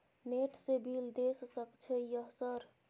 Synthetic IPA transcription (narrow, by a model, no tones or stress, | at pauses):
neʈʰsebild̪essəkt͡ʃʰəijəɦsəɾ